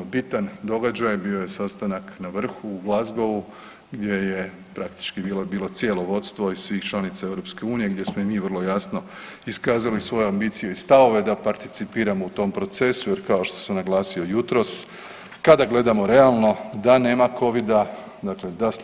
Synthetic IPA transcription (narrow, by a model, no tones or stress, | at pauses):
bit̪and̪o̞ɡad͡ʒajbio̞je̞sast̪anaknaʋr̩xuːɡlˠazɡoʋu | ɡd̪ʲje̞je̞ | pɾakt̪i̥t͡ʃkibiːlobiːlˠo̞t̪sie̞lo̞ʋo̞t̪st̪ʋo̞issʋiːxt͡ʃlˠanit̪sae̞ʋɾo̞pske̞uːnije̞ɡd̪ʲje̞smoimiːʋr̩lˠo̞jasno̞ | iskaːzalisʋo̞jeambiːt̪sije̞ist̪aʋo̞ʋe̞d̪apaɾt̪it̪sipiːɾamo̞ut̪o̞mpɾo̞t̪se̞suje̞ɾkaoʃt̪o̞̥samnaɡlˠaːsio̞jut̪ɾo̞s | kad̪aɡle̞d̪amo̞ɾe̞alˠno̞d̪ane̞ːmakʰo̞ʋid̪a | d̪akle̞d̪as